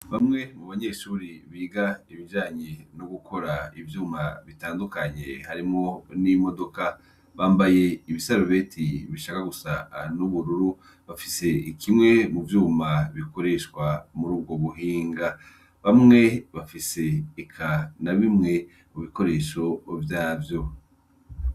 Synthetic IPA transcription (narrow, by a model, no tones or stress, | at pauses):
βamŋe̞muβaɲe̞ʃuːɾiβiːɡaiβiʒaːɲenoɡukʰo̞ɾaivjuːmaβitaːndukaɲḛhaɾimŋo̞nimo̞do̞ka | βaːmbaje̞iβisaɾoβe̞ːtʰiβiʃakaɡusanuβuɾuɾu | βafise̞ikʰimŋe̞muvjuːmaβiko̞ɾe̞ʃkwamuɾuːb̚ɡo̞βuɦiːŋɡa | βamŋe̞βafise̞ːkʰanaβimŋe̞ | muβiko̞ɾe̞ːʃo̞vjaːvjo̞